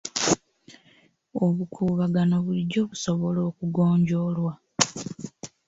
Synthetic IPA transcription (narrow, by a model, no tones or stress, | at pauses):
o̞βukʰuːβaɡanoβuliɟːo̞ːβuso̞βo̞lo̞ːkuɡoːɲɟo̞ːlwa